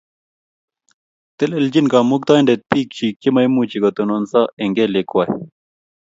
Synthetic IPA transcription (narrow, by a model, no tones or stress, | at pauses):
t̪eleld͡ʑinkaːmuk̚t̪ɑːinɖet̪̚piːk̚t͡ɕʰikimɐjmuːt͡ɕiɡɐt̪unonsaeŋɡelekwaj